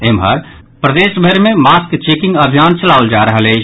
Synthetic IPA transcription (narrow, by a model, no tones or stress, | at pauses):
emɦə̰ɾ | pɾəd̪eːʃbʱəɾmẽmaːskt͡ʃeːkɪ̃ŋɡəbʱijaːnt͡ʃəlaːʊld͡ʒaːɾəɦəle